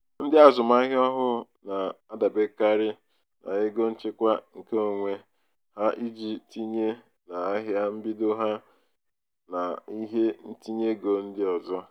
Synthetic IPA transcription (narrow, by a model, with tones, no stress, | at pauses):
n̩˦dɪ˦a˨zʊ˨ma˦ɦɪ˦ɔ˦ɦʊ˦ | na˨a˦da˨be˦ka˦ɾɪ˦ | na̰˨ɪ˦ɡo˦n̩˦t͡ʃɪ˦kʷa˦ŋ̩˨ke˦o˨ŋʷe˦ | ha˦ʔi˦d͡ʒi˨tʰi˦ɲe˦ | na˨a˦ɦja˦m̩˦bi˦do˦ɦa˦ | na˨i˦ɦe˦n̩˦ti˦ɲe˦ɡo˨n̩˦dɪ˦ɔ˨zɔ˦